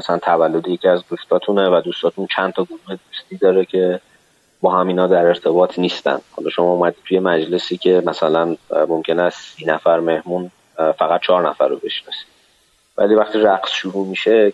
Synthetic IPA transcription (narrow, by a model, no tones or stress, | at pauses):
mæsælænt̪ʰævælːod̪eje̞cʰiæzd̪ust̪ʰɒːt̪ʰunevæd̪ust̪ɒːt̪ʰunt͡ʃʰænt̪ʰɒɡonuhe̞d̪ust̪iːd̪ɒːɾecʰe̞ | bɒːɦæmiːnɒːd̪æɾe̞ɾt̪ʰe̞bɒːt̪ʰniːst̪æ̰nd̪̥hɒ̰lɒːʃo̞mɒumæd̪it̪ʰuje̞mæd͡ʒle̞siːcʰe̞mæsælænmomcʰe̞nssiːnæfæɾme̞hmun | fæɣæt̪̚t͡ʃʰɒːɾnæ̰fæ̰ɾːobeʃnɒ̰si̥d̪ | væ̰liːvæχt̪iːɾæɡsʃuɾuːmiʃe̞